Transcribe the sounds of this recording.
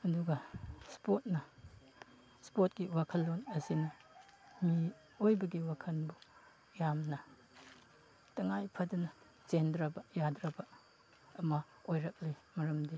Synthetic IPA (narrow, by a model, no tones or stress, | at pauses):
ɐduɡɐspot̚nɐ | spot̚kiwakʰɐlːonɐsinɐ | mi | ojbɐɡiwakʰɐnbu | jamnɐ | tɐŋajpʰɐdunɐ | zendɾɐbɐjadɾɐbɐ | ɐmɐ | ojɾɐk̚limɐɾɐmdi